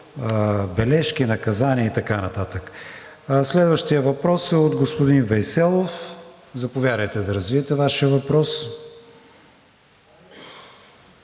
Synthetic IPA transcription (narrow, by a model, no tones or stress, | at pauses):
bɛlɛʃkinɐkɐzaniəit̪ɐkanɐt̪at̪ək | slɛd̪vəʃt̪ijəvɐpɾɔsɛod̪ɡospʊd̪invɛjsɛlˠof | zɐpovʲjad̪əjt̪ɛd̪ɐɾɐzviɛt̪ɛvaʃijəvɐpɾɔs